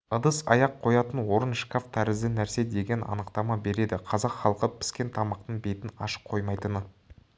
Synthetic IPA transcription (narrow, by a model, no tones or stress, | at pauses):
əd̪əsɑ̰jɑqʰːo̞jɑt̪ənwo̞ɾənʃkaft̪ʰæɾɪzd̪ɪnæɾse̞d̪e̞ɡʲe̞nɑ̰nəqt̪ɑmɑbe̞ɾe̞d̪ɪqʰɑzɑqχɑlˠəqəpʰɪ̥skʲe̞nt̪ʰɑmɑqt̪əɴbejt̪ɪnɑ̰ʃə̥qqʰo̞jmɑjt̪ənə